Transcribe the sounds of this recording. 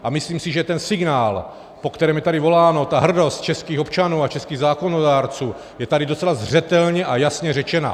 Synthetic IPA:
ʔamɪsliːmsiʒɛt̪ɛnsɪɡnaːl | po̞kt̪ɛɾɛːmjɛt̪adɪvo̞laːno̞t̪aɦr̩do̞st̪̚t͡ʃɛskiːxopt͡ʃanuːat͡ʃɛskiːɣzaːko̞nodaːɾt͡suː | jɛt̪adɪdo̞t͡sɛlazr̝ɛt̪ɛlɲɛʔajasɲɛrɛt͡ʃɛna̰

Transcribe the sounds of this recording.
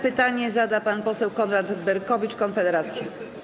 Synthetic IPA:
pɘt̪aɲɛzad̪apanpɔsɛwkɔnɾad̪bɛɾkɔvʲit͡ʂkɔnfɛd̪ɛɾat̪sʲjɛ

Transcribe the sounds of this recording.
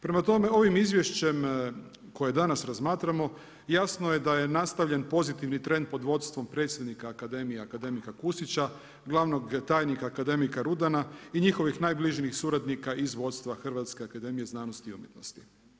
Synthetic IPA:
pɾemat̪o̞me̞o̞ʋimizʋje̞ʃt͡ɕe̞m | ko̞je̞d̪anasɾazmaːt̪ɾamo̞ | jasnoje̞d̪ajenast̪aʋʎe̞npo̞zit̪iʋnit̪ɾe̞nd̪̚po̞d̪ʋo̞d̪st̪ʋo̞mpɾe̞t̪sjed̪nikaːkad̪e̞mijeakad̪e̞mikakusit͡ɕa | ɡlˠaʋno̞ɡt̪aːjnikaːkad̪e̞mikaɾud̪anaiɲixo̞ʋixnaːjbliʒnixsuɾad̪nikaʔizʋo̞d̪st̪ʋaxr̩ʋat̪skeakad̪e̞mije̞znaːnost̪iumjet̪no̰st̪i̥

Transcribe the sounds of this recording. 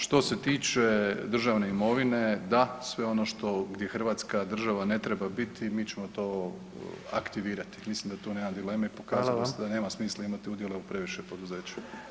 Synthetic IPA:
ʃt̪o̞se̞t̪iːt͡ʃe̞d̪r̩ʒaʋne̞imo̞ʋine̞d̪asʋe̞o̞no̞ʃt̪o̞ɡd̪jexr̩ʋaːt̪skad̪r̩ʒaʋane̞t̪ɾebabit̪ʰimiːt͡ɕe̞mo̞t̪o̞ː | a̰kt̪iʋiːɾat̪i̥mislimd̪at̪uːneːmad̪ile̞ːmaipo̞kaːzaasd̪ane̞ːmasmiːslˠaimat̪iud̪je̞le̞upɾe̞ʋiʃepo̞d̪uze̞ːt͡ɕu̥

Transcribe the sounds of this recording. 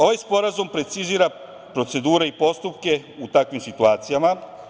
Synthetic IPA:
o̞ʋajspo̞ɾazumpɾe̞t̪siziːɾa | pɾo̞t̪se̞d̪uːɾe̞ipo̞st̪upke̞ut̪akʋimsit̪uaːt̪sijama

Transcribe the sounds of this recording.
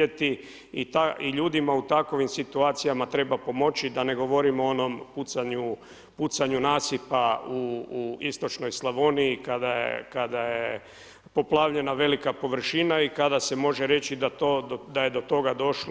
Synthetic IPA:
et̪i | it̪aiʎuːd̪imaut̪ako̞ʋimsit̪uaːt̪sijamat̪ɾe̞bapo̞mo̞t͡ɕid̪ane̞ɡo̞ʋo̞ɾimoono̞mput̪saɲu | put̪saɲunaːsipauːist̪o̞t͡ʃno̞jslˠaʋoniikad̪ajḛkad̪aje | po̞plˠaːʋʎe̞naʋe̞likapo̞ʋr̩ʃinaikad̪ase̞mo̞ʒeɾe̞t͡ɕid̪at̪od̪aje̞d̪o̞t̪o̞ɡad̪o̞ʃl

